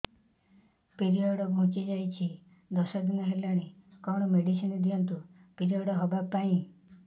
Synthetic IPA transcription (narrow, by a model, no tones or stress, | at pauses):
piɾiɔɽɔbʱũt͡ʃid͡ʒajt͡ʃʰi | d̪ɔsɔd̪inɔɦelaɽ̃ekɔɽ̃ɔmeɖisinɔd̪iɔnt̪̬upiɾiɦɔɽɔɦɔbapaĩ